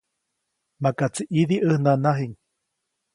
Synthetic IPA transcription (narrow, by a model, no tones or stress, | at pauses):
makat͡siʔiðiʔəhnanaɦiɲ